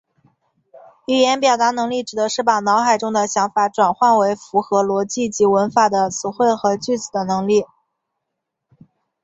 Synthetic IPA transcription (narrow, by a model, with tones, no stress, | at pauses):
y˥˩jɛ˧˥npjɑ˨˩ʊt̪a˧˥nɤ˧˥ŋli˥˩ʈ͡ʂɻ̩˨˩d̪ə˧˥ʂɻ̩˥˩pa˨˩nɑ˧˥ʊxa˨˩ɪʈ͡ʂʊ˥ŋd̪ə˨ɕjɑ˧˥ŋfa˨˩ʈ͡ʂwa˨˩nxwa˥˩nwe˧˥ɪfu˧˥xɤ˧˥lwɔ˧˥t͡ɕi˥˩t͡ɕi˧˥wə˧˥nfa˨˩d̪ə˦t͡sʰɹ̩˨˩xwe˥˩ɪxɤ˧˥t͡ɕy˥˩t͡sɹ̩˨˩d̪ə˦nɤ˧˥ŋli˥˩